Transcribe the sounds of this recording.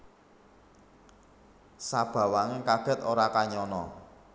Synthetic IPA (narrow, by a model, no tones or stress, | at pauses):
sab̥ä̤waŋkaɡ̥ə̤t̪oɾakaɲɔnɔ̰